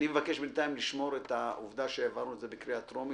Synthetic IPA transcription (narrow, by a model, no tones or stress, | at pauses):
imevake̞ʃbentaimliʃmo̞ʁet̪aʔuvd̪aʃeavaʁnuezebekʁiat̪ʁomi